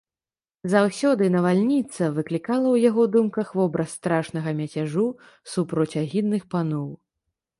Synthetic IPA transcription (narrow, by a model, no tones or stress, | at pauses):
zawsʲɔd̪ɨnɐvalʲnʲit̪sɐvɨklʲikalˠɐwjaɣɔd̪umkɐxvɔbɾʔɐsːt̪ɾaʂnɐɣɐmʲɛt͡sʲaʐu | supɾɔt͡sʲaɣʲid̪ːɨxpanɔw